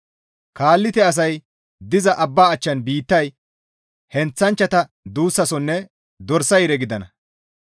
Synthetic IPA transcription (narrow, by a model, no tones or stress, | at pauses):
kaːlːɪt̪ɛɐs̬ɐj | d̪ɪzɐʔɐbːaːɐt͡ʃːɐnbiːt̪ːɐj | hɛnt͡sːɐnt͡ʃːɐt̪ɐ | d̪uːsːɐsɔnːɛ | d̪ɔɾsɐjɾɛɡɪd̪ɐnɐ